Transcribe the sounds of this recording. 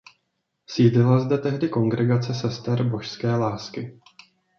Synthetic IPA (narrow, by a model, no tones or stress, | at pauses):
siːdlɪlazdɛt̪ɛɦdɪko̞ŋɡɾɛɡat͡sɛsɛst̪ɛɾbo̞ʃskɛːlaːskɪ